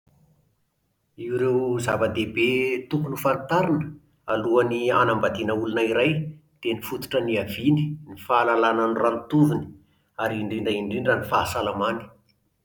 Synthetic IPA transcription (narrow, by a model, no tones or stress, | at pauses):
iuɾewzavəd̪ebet̪ukunufant̪aɾanə̥ | aluanianambad̪inəulunaiɾajd̪̥enifut̪u̥ʈ͡ʂəniavini̥nifaːlalananiranit̪uvini̥ | aɾiɳɖ͡ʐiɳɖ͡ʐaiɳɖ͡ʐiɳɖ͡ʐanifasalamani̥